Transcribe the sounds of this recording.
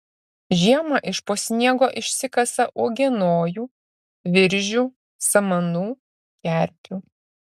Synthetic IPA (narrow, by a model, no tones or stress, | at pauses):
ʒʲiɛmɐʔɪʃpoːsʲnʲiɛɡoːʔɪʃʲsʲɪkɐsɐʔoɔɡʲɛnoːjuː | ʋʲɪɾʲʒʲuː | sɐmɐnuː | kʲæˑɾʲpʲuː